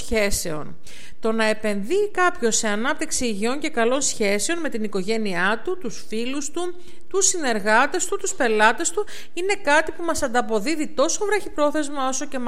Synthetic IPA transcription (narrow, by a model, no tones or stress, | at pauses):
çe̞se̞o̞̰n | t̪o̞nɐe̞pe̞nðikɐpço̞se̞ɐnɐp̚t̪iksiːʝio̞ɲce̞kɐlo̞nsçe̞se̞o̞nme̞t̪iniko̞ʝe̞niɐt̪ut̪usfilust̪u | t̪usine̞ɾɣɐt̪e̞st̪ut̪uspe̞lɐt̪e̞st̪u | ine̞kɐt̪ipumɐsɐnd̪ɐpo̞ðiðit̪o̞so̞vɾɐçipɾo̞θe̞zmɐo̞so̞ce̞m